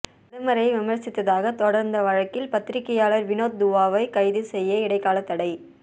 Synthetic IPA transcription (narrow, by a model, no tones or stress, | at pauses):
ɪðɐmɐɾɐjʋɪmɐɾsɪt̪ːɐðaːɣɐt̪ɔɽɐɾnd̪ɐʋɐɻɐkːɪlpɐt̪ːɪɾɪkːɐjaːlɐɾʋɪnoːt̪̚d̪ʊʋaːʋɐɪkɐɪðɯsɛjːɐɪɽɐɪkːaːlɐt̪ːɐɽɐɪ